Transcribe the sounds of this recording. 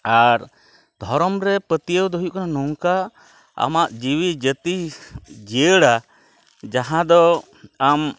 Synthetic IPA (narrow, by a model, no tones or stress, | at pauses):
aɾ | d̪ʱɔɾɔmɾɛpət̪iəwd̪ɔɦujuʔkananɔŋka | a̰maʔd͡ʒiwid͡ʒət̪id͡ʒijəɽa | d͡ʒaɦãd̪ɔ | am